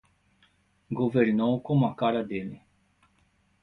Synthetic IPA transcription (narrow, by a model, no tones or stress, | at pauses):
ɡoveɾnowkõmʊɐkaɾɐd̪elɪ